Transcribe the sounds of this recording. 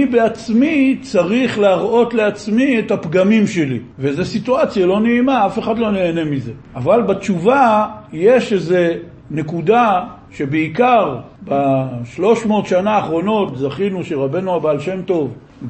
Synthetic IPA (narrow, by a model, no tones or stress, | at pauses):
ibeat͡smit͡saʁiχleaʁʔo̞tle̞at͡smiethapɡamimʃe̞li | vezesituat͡sjalo̞neimaafe̞χadlo̞ne̞ːne̞mize̞ | avalbat͡ʃuvaje̞ʃeze̞ | ne̞kuda | ʃe̞beikaʁ | baʃlo̞ʃmo̞ːt̪ʃanaːχʁo̞no̞tzaχinuʃeʁabe̞nuabaːlʃemto̞v